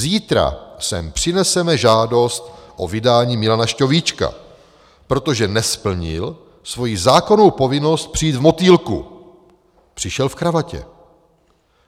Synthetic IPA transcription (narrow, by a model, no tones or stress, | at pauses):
ziːt̪ɾa̰sɛ̰mpr̥ɪnɛsɛmɛʒaːdo̞st̪ʔo̞vɪdaːɲiːmɪlanaʃco̞vit͡ʃka̰ | pɾo̞t̪o̞ʒɛnɛspl̩ɲɪ̰l | svo̞jizaːko̞no̞wpo̞vɪno̞st̪̚pr̥ijːt̪vmo̞t̪iːlkṵ | pr̥ɪʃɛlfkɾavacɛ̰